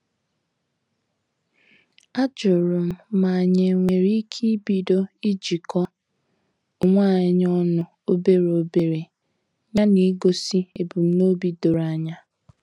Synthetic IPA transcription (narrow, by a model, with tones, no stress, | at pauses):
a˦d͡ʒʊ˨ɾʊ˨m̩˦ma˨a˨ɲe˨ŋʷe˨ɾi˦kʰi˦bi˨do˦i˦d͡ʒi˨kɔ˦ | ʊ˨ŋʷa˦˨ɪ˦ɲ˦ɔ˦nʊ˨ | o˦be˦ɾo˦be˨ɾe˨ | ɲa˦ni˨˦ɡo˦si˦e˨bu˨m̩˦no˦bi˦do˨ɾa˦ɲa˦